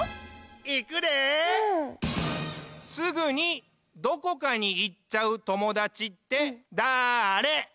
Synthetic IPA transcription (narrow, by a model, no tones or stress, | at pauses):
ikɯ̟d̪e | sɨɡɯɲ̟i | d̪o̞ko̞kaɲ̟iːtːaɯ̟t̪o̞mo̞d̪at͡ɕit̪ːe̞d̪aːɾe̞